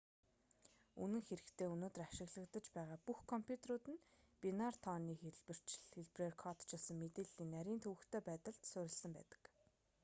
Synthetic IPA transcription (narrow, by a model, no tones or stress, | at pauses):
unɘ̆ŋxeɾɘ̆kt̪ʰeːunoːt̪ə̆raʃɪ̆ɣɮə̆kt̪ə̆t͡ɕpæːʁaːpuxkʰɔmpʰʲjut̪ʰeɾʊːt̪ɘ̆n | pʲinart̪ʰɔːniːxeɮpɘ̆r̥t͡ɕɮxeɮprerkʰɔt̪t͡ɕʰasə̆ŋmet̪eːɮiːnːæɾʲiːnt̪ʰɵwɘ̆kt̪ʰeːpæːt̪ə̆ɮt̪sʊɾʲɪ̆ɮsə̆mpæ̰ːt̪ə̥̆k